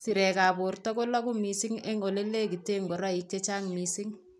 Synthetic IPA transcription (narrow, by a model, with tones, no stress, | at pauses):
si˨ɾɛ˨kaː˨boɾtɔ˦ko˦la˦ku˦mi˨si˦ŋe˦ŋo˨le˦lːe˦ki˨te˦ŋɡɔ˨ɾa˦i˦k̚t͡ʃe˦t͡ʃa˦ŋmisi˦ŋ